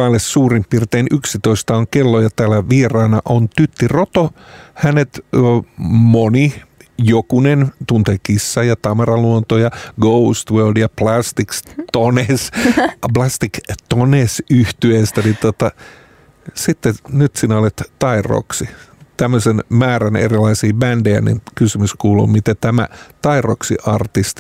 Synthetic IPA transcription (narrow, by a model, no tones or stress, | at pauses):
ɑlessuːrimppirt̪eːnyksit̪oist̪ɑoŋkelːojɑt̪æːlæʋiːrɑːnɑʔont̪yt̪ːirot̪ohænet̪ | monijokunent̪unt̪eːkisːɑjɑt̪ɑmɑrɑluont̪ojɑɡoust̪ʋøːldjɑplɑst̪ikst̪onesplɑst̪ikt̪onesyht̪yest̪ænit̪ot̪ɑ | sit̪ːenyt̪sinæolet̪t̪ɑiro̰ksit̪æmːøsenmæːɾænḛrilɑisiːbændejæ̰nḭnkysymyskuːlṵːmit̪et̪æmæ̰t̪ɑiro̰ksḭʔɑrt̪ist̪i